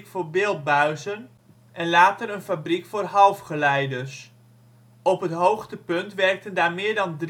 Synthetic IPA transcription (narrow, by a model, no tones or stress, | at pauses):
kfoːɹbɪlˠt̚bœɥsən | ʔɛnlaːtəɾənfabrikfoːrɦɑlˠfχəlɛjdərs | ɔpɦətɦowxtəpɵntʋɛrk̚təndaːmɪːɹdɑndr